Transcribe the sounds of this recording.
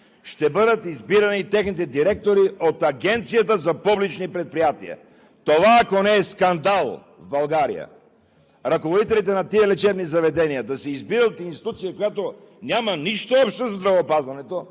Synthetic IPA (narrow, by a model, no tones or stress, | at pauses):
ʃt̪ɛbɤd̪ət̪izbiɾɐnit̪ɛxnit̪ɛd̪iɾɛk̚t̪oɾiot̪ɐɡɛnt̪sijɐt̪əzɐpublit͡ʃnipɾɛt̪̚pɾijat̪ḭɐ̰ | t̪ovaːkonɛːskɐnd̪alˠ | vbɐlˠɡaɾḭjə̰ | ɾɐkovod̪it̪ɛlit̪ɛnɐt̪iɛlɛt͡ʃɛbnizɐvɛd̪ɛniəd̪ɐsɛizbiɾəot̪inst̪i̥t̪ut̪sijəkojat̪o | nʲamɐniʃt̪oɔpʃt̪ozɐzd̪ɾɐvɐːpazvɐnɛt̪o